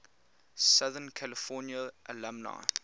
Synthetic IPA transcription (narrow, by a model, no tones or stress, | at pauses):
sʌðənkʰæləfɔnjəʔəlamna̰